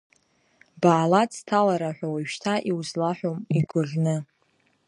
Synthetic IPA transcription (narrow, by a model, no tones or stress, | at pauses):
baːlatʰalaɾaħʷᶣawaʃtʰaʔiwzlaħʷomiɡʷʊɮʲnɨ